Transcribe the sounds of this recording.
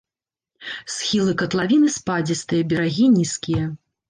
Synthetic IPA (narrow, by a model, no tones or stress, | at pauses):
sxʲilˠɨkɐt̪lˠavʲinɨspad͡zʲist̪ɨjɐbʲɐɾaɣʲinʲiskʲijɐ